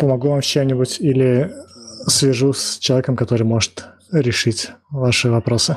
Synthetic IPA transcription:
pəmɐɡuvamt͡ɕemnʲɪbʊtʲilʲɪ | svʲɪʐusʲt͡ɕɪlˠɐvʲekəmkɐt̪o̞ɾɨjmo̞ʐɨt̪ | ɾʲɪʂɨtʲvaʂɨvɐpɾo̞sɨ

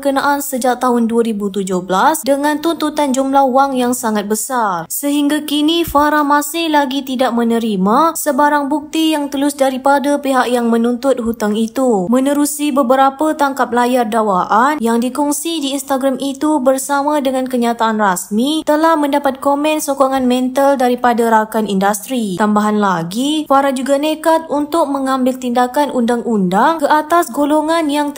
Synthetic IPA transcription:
əkənaʔansəd͡ʒak̚t̪aɦʊnduəɾibut̪ud͡ʒʊhbəlasdəŋãnt̪unt̪ut̪and͡ʒumlahuwaŋjaŋsaŋat̪̚bəsarsəɦiŋɡakinifaɾamasɪhlaɡit̪idaʔ̚mə̃nəɾimasəbaɾaŋbuk̚t̪ijaŋt̪əlʊsdaɾipadapiɦak̚jaŋmə̃nunt̪ʊt̪̚ɦut̪aŋit̪umə̃nəɾusibəbəɾapat̪aŋkap̚lajardawaʔanjaŋdikɔŋsidiːnst̪aɡɾamit̪ubərsamãdəŋãnkəɲat̪aʔanrasmit̪əlahmə̃ndapat̪̚komɛ̃nsokoŋanmɛ̃nt̪aldaɾipadaɾakanindast̪ɾit̪ambaɦanlaɡifaɾad͡ʒuɡanekat̪̚unt̪ʊk̚məŋãmbɪlt̪indakanʔundaŋʔundaŋkəʔat̪asɡoloŋãnjaŋ

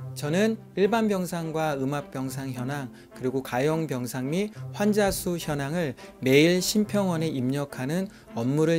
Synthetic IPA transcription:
t͡ɕʌnɯn | iɭbanbjʌŋsʰaŋɡwaɯmap̚p͈jʌŋsʰaŋçjʌnaŋ | kɯɾiɡokajoŋpjʌŋsʰaŋmiɸwand͡ʑasʰuçjʌnaŋɯɭme̞iɭɕʰimpʰjʌŋwʌne̞ʔimɲʌkʰanɯn | ʌmːuɾɯ

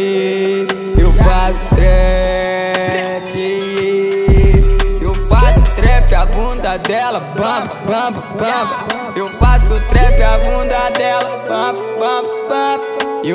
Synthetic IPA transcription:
ewfasʊ̥t̪ɾɛ | pi | ewfasʊt̪ɾɛpɪabũd̪ɐd̪ɛlɐbɐ̃ | bɐ̃bɐɐ̃bɐ | ewfasʊt̪ɾɛpɪabũd̪ɐd̪ɛlɐbɐ̃bbɐ̃bbɐ̃be

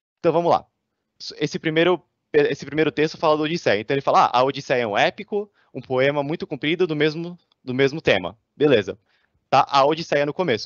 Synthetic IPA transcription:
eẽt̪ɐ̃w̃vɐ̃mʊzla̰ | sesɪpɾimejɾʊ | peesɪpɾimejɾʊt̪est̪ʊfalɐd̪ʊod͡ʒisɛẽt̪ɐ̃elɪfalaa̰ʔɐ̰od͡ʒisɛɛũɛpikʊ | ũpoẽmɐmũj̃t̪ʊkũpɾid̪ʊd̪ʊmezmʊ | d̪ʊmezmʊt̪ḛ̃mɐ̰ | belezɐ̰ | t̪aʔɐod͡ʒisɛɛnʊkomesʊ̥

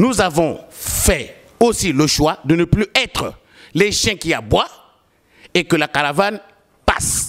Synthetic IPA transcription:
nuzavɔ̃fɛ | osiləʃwad̪ənəplyʔɛt̪χə | lɛʃjɛ̃kia̰bwa | ekəlakaʁavan | pa̰s

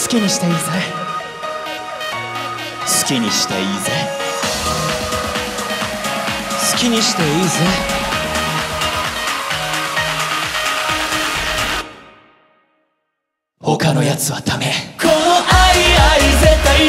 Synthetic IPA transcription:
sɨ̥kʲiɲ̟iɕi̥t̪eiːze | sɨ̥kʲiɲ̟iɕi̥t̪aiːze | sɨ̥kʲiɲ̟iɕi̥t̪eiːze | ho̞kano̞jat͡sɨβat̪ʰamekʰonoʔaiaizet̪ːa

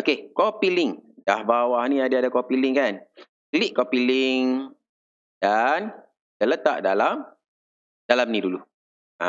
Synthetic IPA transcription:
okekɔpilɪŋdahbawahniadaadakɔpilɪŋkan | kəliʔkɔpilɪŋ | dan | tələt̪a̰ʔdalam | dalamnidulu | a̰

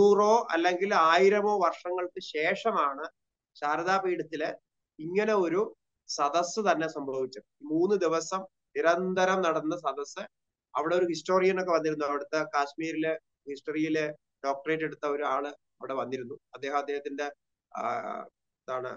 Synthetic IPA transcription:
nuːro̞ːʔɐ̰lːe̞ŋɡilaːjiɾɐmo̞ːʋɐrʂɐŋːɐɭkɨɕe̞ːʂɐmaːɳɨ | ɕaːɾɐðaːpiːɽɐt̪ːile | iŋːɐne̞o̞ɾu | sɐd̪ɐsːɨt̪ɐnːe̞sɐmbʱɐʋit͡ɕːɐðɨimuːnːɨd̪iʋɐsɐm | niɾɐnd̪ʱɐɾɐmnɐɽɐnːɐs̬ɐd̪ɐsːɨ | ɐ̰ʋiɽe̞o̞ɾuhisʈo̞ːrijɐno̞kːeʋɐnːiɾunːuɐʋiɽut̪ːɐkaːɕmiːɾil | hisʈɐrijil | ɖo̞ːk̚ʈɐreːtːe̞ɽut̪ːɐo̞ɾuaːɭɨ | ɐʋiɽe̞ʋɐnːiɾunːuɐd̪ːeːɦɐmɐd̪ːeːɦɐt̪ːinde̞ | ðaːɳɨ̰

